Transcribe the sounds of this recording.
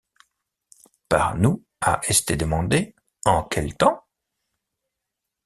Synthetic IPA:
pa̰ʁnu | a̰ʔest̪ed̪əmɑ̃d̪e | ɑ̃kʰʲɛlt̪ɑ̃

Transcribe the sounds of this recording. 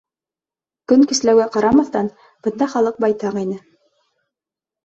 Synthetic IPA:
kɵŋkɘ̆slæwɡæqɑɾɑmɑθt̪ɑn | b̥ɤ̆nd̪ɑχɑlˠɤq̚bɑjt̪ɑqinɘ

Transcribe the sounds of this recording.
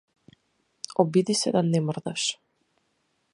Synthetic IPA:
ɔbid̪isɛd̪anɛmrd̪aʃ

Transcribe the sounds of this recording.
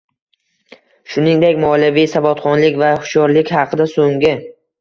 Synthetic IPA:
ʃʊnɪŋd̪ekʲmɒlavijsavɒt̪χɒnlɪkʲvahʊ̥ʃɒɾlɪkʲhɑqʰɨd̪asoŋɡʲɪ

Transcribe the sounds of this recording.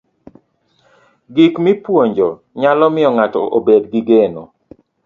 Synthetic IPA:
ɡikmipwoɲd͡ʒɔ | ɲalɔmɪɔŋatɔʔobedɡiɡenɔ̰

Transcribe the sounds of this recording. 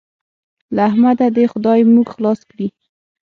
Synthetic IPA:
lahmad̪ad̪exʊd̪ɑjmuɡxlɑskɽi

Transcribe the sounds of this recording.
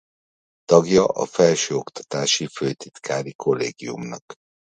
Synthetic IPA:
t̪ɒɡjɒʔɒ̰fɛlʃøːo̞kt̪ɒ̥t̪aːʃiføːt̪it̪kʰaːɾikʰo̞lːḛːɡiumnɒk

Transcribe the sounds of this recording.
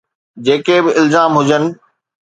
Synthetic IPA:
d͡ʑeːkebɪɪlzaːmɦʊd͡ʑənɪ̆

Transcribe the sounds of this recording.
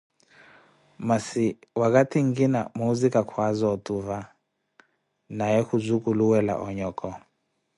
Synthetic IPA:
masiwakʼatʰiŋɡina̰muzikʼakʰwazɔtʼuva | najɛhuzʷukʼuluwɛla̰ʔɔɲɔːkʼɔ

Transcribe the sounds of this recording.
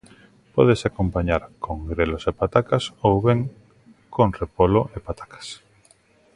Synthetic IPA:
pɔ̰ðesakompaɲaɾkoŋɡɾelosepat̪akasowβeŋ | konrepoloʔepat̪ḁkḁs

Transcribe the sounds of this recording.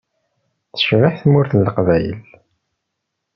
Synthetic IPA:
θə̥ʃʁɪħθmʊɾθlːəqvæjə̰l

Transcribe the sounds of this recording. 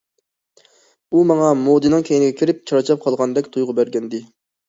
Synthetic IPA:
umɑŋɑmod̪ɨnɨŋkʲʰejinɪɡʲɛkʲʰiɾɪp̚t͡ʃʰɑɾɑt͡ʃʰɑp̚qʰɑlˠʁɑnd̪ɛkʲt̪ʰujʁʊbæɾɡʲɛnd̪ɪ

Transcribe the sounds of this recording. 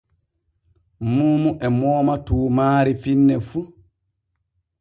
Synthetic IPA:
muːmuʔɛmɔːmatuːmaːɾifinːɛfu

